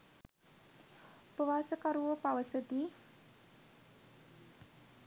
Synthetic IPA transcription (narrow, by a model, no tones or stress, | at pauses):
upəʋaːsəkaɾuopaʋəsəd̪i